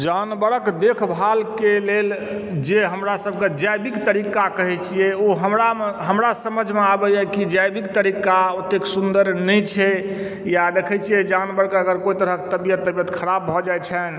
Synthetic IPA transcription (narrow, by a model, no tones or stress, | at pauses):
d͡ʒanbəɾəkd̪ekʰbʱalkelel | d͡ʒeɦəmɾasəb̚ʱked͡ʒajbikt̪əɾikakəɦɛt͡ʃʰijɛoɦəmɾameɦəmɾasəməd͡ʒʱmeabəjɛkid͡ʒajbikt̪əɾikaut̪eksund̪əɾnɛt͡ʃʰɛ | jad̪ekʰɛt͡ʃʰijɛd͡ʒanbəɾkeəɡəɾkoit̪əɾəɦke̥t̪əbijət̪ːəbijət̪kʰəɾabːʱɔd͡ʒajt͡ʃʰɛn